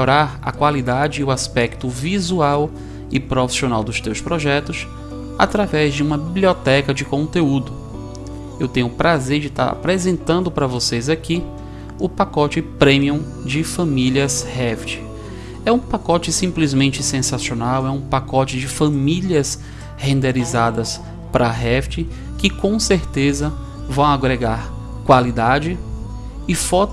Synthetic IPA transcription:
oɾaɾɐ̰kwalid̪ad͡ʒɪʊaspɛkt̪ʊvizuaw | ɪpɾofi̥siõnawd̪ʊst̪ewspɾoʒɛt̪ʊs | a̰t̪ɾavɛzd͡ʒɪũmɐbibliɔt̪ɛkɐd͡ʒɪkõnt̪eud̪ʊ | ewt̪ẽɲʊpɾazeɾd͡ʒɪt̪a̰ɾa̰pɾezẽnt̪ɐ̃nd̪ʊpɾɐvosejzaki | ʊpakɔt͡ʃɪpɾẽmiũ | d͡ʒɪfɐ̃miliɐshɛft͡ʃɪ̥ | ɛũpakɔt͡ʃɪsĩplizmẽnt͡ʃɪsẽsasionawɛũpakɔt͡ʃɪd͡ʒɪfɐ̃miliɐs | hẽnd̪eɾizad̪ɐs | pɾʔɐɦɛft͡ʃɪ | kɪkõseɾt̪ezɐ | vɐ̃w̃aɡɾeɡaɾ | kwalid̪ad͡ʒɪ | ɪfɔt̪

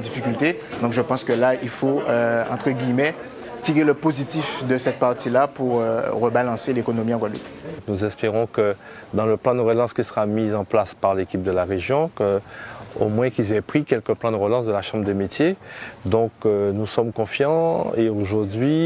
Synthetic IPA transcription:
d̪ifikʲylt̪e | d̪ɔ̃kʒəpɑ̃skəlailfoøɑ̰̃t̪χəɡʲimɛ | t̪iʁeləpozit̪ifd̪əsɛt̪̚paʁt̪ilapuʁøʁəbalɑ̃selekonomiɑ̃vwad̪lə̰pnuzɛspeʁɔ̃kə | d̪ɑ̃ləplɑ̃d̪əʁəlɑ̃skʲisəʁamizɑ̃plaspaʁlekʲip̚d̪əlaʁeʒjɔ̃kəo̰mwɛ̃kilzɛpχikʲɛlkəplɑ̃d̪əʁəlɑ̃sd̪əlaʃɑ̃bʁəd̪əmet̪jed̪ɔ̃kønusɔmkɔ̃fjɑ̃eoʒuʁd̪ɥi

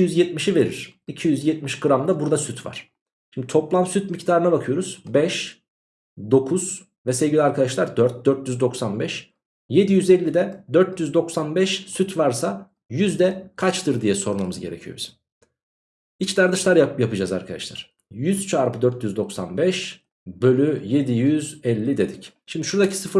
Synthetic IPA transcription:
iijyzjɛt̪̚miʃive̞ɾiɾ̥icʰijyzjɛt̪̚miʃɡɯɾamd̪abuɾd̪asyt̪ʰva̰ɾ̥ | ʃimd̪it̪ʰo̞plˠamsyt̪̚mict̪ʰaːɾɯnabakʰɯjo̞ɾuz̥bɛʃ | d̪o̞kʰuz̥ | vɛsevɟilʲiaɾkʰad̪aʃlˠaɾd̪øɾt̪̚d̪øɾt̪jyzd̪o̞ksanbɛʃ | je̞d̪ijyzɛlʲːid̪ɛd̪øɾt̪jyzd̪o̞ksanbɛʃsyt̪ʰvaɾsa | jyzd̪ɛkʰat͡ʃt̪ʰɯɾd̪ijɛso̞ɾumamɯzɟe̞ɾecʰijobizm | it͡ʃd̪aɾd̪ɯʃlˠaɾajapɯd͡ʒaza̰ɾkʰad̪a̰ʃlˠa̰ɾ̥ | jyz̥t͡ʃʰaːɾpɯd̪øɾt̪jyzd̪o̞ksa̰nbɛʃ | bø̞lʲyje̞d̪ijyzɛlʲːid̪e̞d̪ic | ʃimd̪iʃuɾd̪acʰi̥sɯfɯ

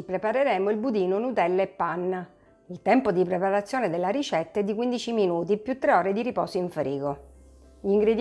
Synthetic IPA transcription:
pɾepaɾeɾɛːmoilbud̪iːnonut̪ɛlːepːanː | ilt̪ɛmpod̪ipɾepaɾat̪sːjoːned̪elːaɾit͡ʃɛt̪ːɛd̪ːik̬wind̪it͡ʃiminuːt̪̬ipjut̪ːɾeɔːɾed̪iɾipɔ̰ːsoiɱfɾiːɡo | ʎiŋɡɾed̪

